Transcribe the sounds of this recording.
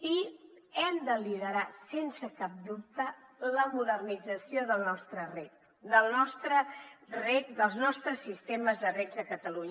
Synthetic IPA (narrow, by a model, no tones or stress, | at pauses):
i | ɛmd̪əliðəɾasensəkap̚d̪up̚t̪ələmuðərnid͡zəsioðəlˠnɔst̪ɾərɛt̪̚ | d̪əlˠnɔst̪ɾərɛk̪d̪əlˠznɔst̪ɾəsːist̪eməzðərɛzəkət̪əluɲ